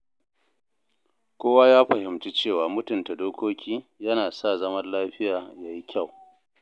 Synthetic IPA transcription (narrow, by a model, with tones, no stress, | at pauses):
kʷoː˦waː˦jaː˦ɸɐ˨hɪ˨mt͡ʃi˦t͡ʃeː˦˨waː˨mʊ˦tʊ˨nta˨doː˦kʰʷoː˦kʲiː˦jɐ˦naː˨sa˦˨zɐ˦mɐ˦rlaː˦ɸɪ˦jaː˨jaː˦ji˦kʲʰa˦˨w